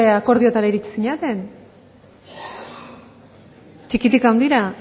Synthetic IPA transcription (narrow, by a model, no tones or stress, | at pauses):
eako̞ɾðio̞t̪aɾaiɾit͡ʃi̥siɲat̪e̞n | t͡ʃikit̪ikawnd̪iɾa